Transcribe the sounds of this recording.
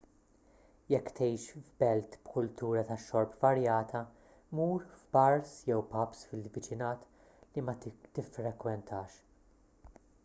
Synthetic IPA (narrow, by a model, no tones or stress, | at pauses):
jɛkːt̪ɛjʃvbɛlt̪bkʊlt̪uːɾɐt̪ɐʃːɔɾpvɐɾjɐːt̪ʰɐ | muːɾfbɐɾsjɛwpɐpsfɪlvɪt͡ʃɪnɐːt̪ | limɐt̪ɪfːɾɛkwɛnt̪ʰɐːʃ